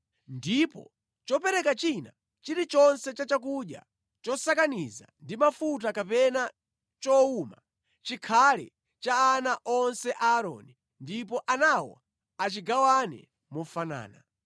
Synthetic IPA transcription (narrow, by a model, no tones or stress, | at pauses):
ndipɔ̰ | t͡ʃɔpɛɾɛkat͡ʃina | t͡ʃiɾit͡ʃɔnsɛt͡ʃat͡ʃak̬uɗja̰ | t͡ʃɔsakaniza̰ndimafutakapɛna | t͡ʃɔuma | t͡ʃikʰalɛ̰ | t͡ʃaːnaʔɔnsɛʔaːɾɔ̰ni | ndipɔʔanawɔ̰ | at͡ʃiɡawanɛ̰ | mɔfana̰ːna